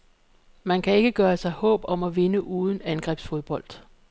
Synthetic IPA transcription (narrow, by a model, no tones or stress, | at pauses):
mænkʰæe̝ɡ̥əɡ̥ɶːɐsɑ̈ɪhɔ̰̽ːb̥ɒ̽mæʋe̝nəʔuːð̞ˠn̩ænɡ̥ʁɛ̰ːb̥sfo̝ðˠb̥ɒ̽l̰d̥